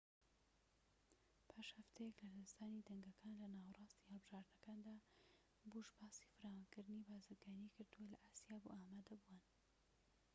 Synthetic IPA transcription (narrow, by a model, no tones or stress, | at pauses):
pʰaːʃhɐft̪ʰɛjɛklɐlst̪aːnid̪ɐŋɡɐkʰaːnlɐnaːwrˤɑːst̪ihɨlˠbɨʒaːɾd̪nɐkaːnd̪aː | buʃbaːsi̥fɨɾaːwankɨɾd̪ɨnibaːzɨɾɡaːnikɨɾd̪uwɐlɐʔaːsijaːbṵʔaːmaːd̪ɐbuwan